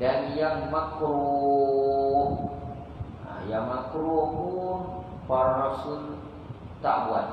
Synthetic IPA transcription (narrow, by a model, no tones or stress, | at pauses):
danjaŋmakɾo | a̰jaŋmakɾobun | paɾaɾasun | t̪aʔbuan